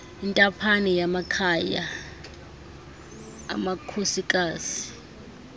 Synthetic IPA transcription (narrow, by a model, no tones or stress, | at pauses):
intʼapʰanɛjamakʰaja | makʰosikʼaːzi̥